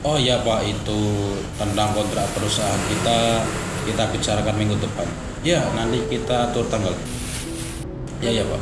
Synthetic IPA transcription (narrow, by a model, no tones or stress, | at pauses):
ɔjapaʔit̪u | t̪ənt̪aŋkɔnt̪ɾaʔpəɾusaaɦankit̪akit̪ab̥it͡ʃaɾakanmiŋɡud̪əpan | janant̪ikit̪at̪uɾt̪aŋɡal | jajapa̰ʔ